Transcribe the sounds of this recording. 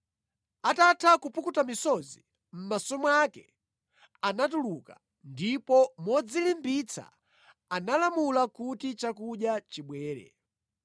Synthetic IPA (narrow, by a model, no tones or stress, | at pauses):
atatʰakupukutamisɔzi | m̩masɔmwakɛ | anatuluka | ndipɔmɔd͡zilimbit͡sʰa̰ | analamulakutit͡ʃakuɗjat͡ʃiɓwɛːɾɛ̰